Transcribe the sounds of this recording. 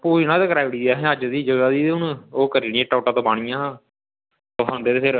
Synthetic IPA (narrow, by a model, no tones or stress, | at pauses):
puːd͡ʒnãːd̪eːkɾaːʋɽiːd̪ɛːɦɛ̃əd͡ʒd̪iːd͡ʒəɡaːd̪iːʊnoːkəɾiːniẽːʈaːʈaːt̪õːbaːɽ̃ɪjãː | t̪oːɦãnd̪eːeːpʰɪɾ